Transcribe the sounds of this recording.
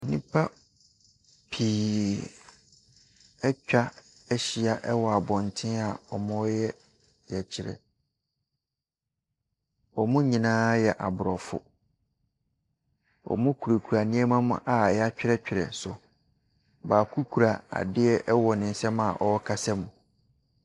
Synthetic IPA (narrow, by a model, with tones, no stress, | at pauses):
nĩ˦pʰa˦ | pʰiː˨ | ɛ˦t͡ɕᶣa˦ | ɛ˦ɕi˦a˨ʔɛ˦wɔ˨a˨bɔ̃˨n˨tʰɪ̃˦a˨ɔ˨mɔ̃˦jɛ˦ | jɛ˨t͡ɕʰɪ˨ɾɛ̰˨ | ɔ˨mʊ̃˦ɲĩ˨nãː˦jɛ˨ʔa˨bʊ˨ɾɔ˨fʊ̰˨ | ɔ̰˨mʊ̃˦kʰu˨ɾa˨kʰu˨ɾa˨nɪ̃˦ɛ˦mã˦mʊ̰̃˦ʔa˨jɛ˦a˦t͡ɕᶣɪ˦ɛ˦t͡ɕᶣɪ˨ɾɛ̰˨sʊ˨ | baː˨kʰu˦kʰu˨ɾa˨a̰˨dɪ˦ɛ˦ʔɛ˦wɔ˨nɪ̃˨n̩˦sɛ˦ma˨ʔɔ˨˦ɔ˦kʰa˦sɛ˦mũ˨